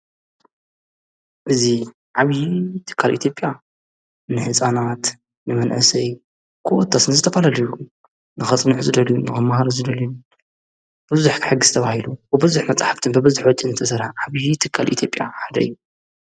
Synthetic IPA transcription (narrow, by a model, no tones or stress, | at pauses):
ʔɨzi | ʕaβjit̪ʰɨ̥kʰːalʔḭt̪ʰjo̞pʼja | nɨħɨsʼanat̪ | nɨmɐnʔɨ̰sɐj | kʰɨwot̪ʰːasnɨzɨt̪ʰɐfalalɐju | nɨxɐt͡sʼnɨʕzɨd̪ɐljunɨxɨmːahaɾuzɨd̪ɐlju | b̥ɨzuħkʰħɨɡːɨzɨt̪ʰɐβahilubɨbɨzuħmɐt͡sʼaħaft̪ʰɨnbɨbɨzuħwɔt͡ʃʼinzɨt̪ʰɐsɐɾħaʕaβjit̪ʰɨkʰːalʔḭt̪ʰjo̞pʼja̰ħad̪ɐ̰ɨjːu